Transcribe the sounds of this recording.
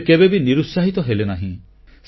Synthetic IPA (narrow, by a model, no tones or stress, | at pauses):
kebebiniɾusaɦit̪ɔɦelenaɦĩ | s